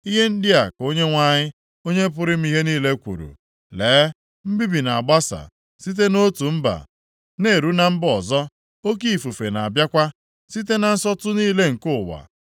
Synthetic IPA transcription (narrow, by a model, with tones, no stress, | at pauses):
i˦ɦe˦n̩˦dɪ˦a˨ko˦ɲe˦ŋʷa˦ɲɪ˦ | o˦ɲe˦p̬ʊ˦ɾɪ˦m̩˦i˦ɦe˦niː˦le˦kʷṵ˨ɾṵ˨ | leː˨˦ | m̩˦bi˦bi˨na˨ɡ͡ba˦sa̰˨ | si˦t̬e˦no˦tu˨m̩˦ba̰˨ | ne˨ɾu˦na˨m̩˦bɔ˨zɔ˦ | o˦k̬i˦i˨fu˨fe˨na˨bja˦kʷa˦ | si˦t̬e˦na˨n̩˦sɔ˦tʊ˦niː˦le˦ŋ̩˨kʊ˦˨wa̰˨